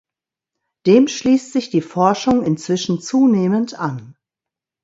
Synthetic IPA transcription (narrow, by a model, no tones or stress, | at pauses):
d̥eːmʃliːstz̥ɪçd̥iːfɔɐʃʊŋɪnt͡sv̥ɪʃn̩t͡suːneːməntan